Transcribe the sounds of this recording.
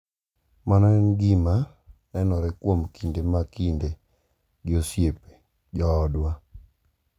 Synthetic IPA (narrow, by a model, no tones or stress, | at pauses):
manɔnɡima | nɛnɔɾɛkwomkindemakinde | d͡ʒosjepe̥ | d͡ʒɔːdwa